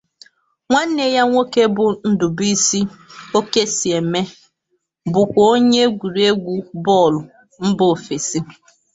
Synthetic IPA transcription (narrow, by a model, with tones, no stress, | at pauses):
ŋʷa˦n̩˦ne˨ja˦ŋʷo˦ke˦bʊ˨n̩˦dʊ˨bi˦si˦o˦ke˦si˨e˨me˦ | bʊ˨kʷɔ˨o˦ɲe˦ɡʷu˨ɾi˨e˦ɡʷu˦bɔ˦˨lʊ˨ | m̩˦bʊ˨fe˨si˦